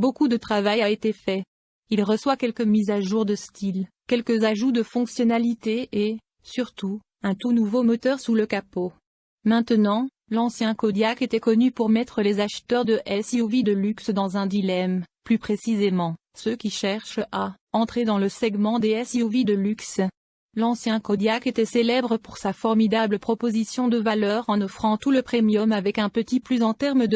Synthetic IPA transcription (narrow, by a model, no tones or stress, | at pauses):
bokud̪ət̪χavajaet̪efɛ | ilʁəswakʲɛlkəmizaʒuʁd̪əst̪ʰilkʲɛlkəzaʒud̪əfɔ̃ksjɔnalit̪ee | syʁt̪u | ɛ̃t̪unuvomɔt̪œʁsuləkapo | mɛ̃t̪ənɑ̃ | lɑ̃sjɛ̃kɔd̪jaket̪ɛkɔnypuʁmɛt̪χəlezaʃt̪œʁd̪əʔɛsiuvid̪əlyksd̪ɑ̃zɛ̃d̪ilɛmplypχesizemɑ̃ | søkʲiʃɛʁʃa | ɑ̃t̪χed̪ɑ̃ləsɛɡmɑ̃d̪eɛsiuvid̪əlyks | lɑ̃sjɛ̃kɔd̪jaket̪ɛselɛbʁəpuʁsafɔʁmid̪abləpχɔpozisjɔ̃d̪əvalœʁɑ̃nɔfχɑ̃t̪uləpχemjɔmavɛkɛ̃pət̪iplyzɑ̃t̪ɛʁmd̪ə